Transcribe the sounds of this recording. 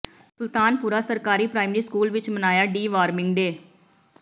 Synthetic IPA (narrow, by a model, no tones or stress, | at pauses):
sʊlt̪aːnpuːɾaːsəɾkaːɾiːpɾaːɪmɾiːskuːlʋɪt͡ʃmənaːjaːɖiːʋaːɾmɪ̃ŋɡd̪eː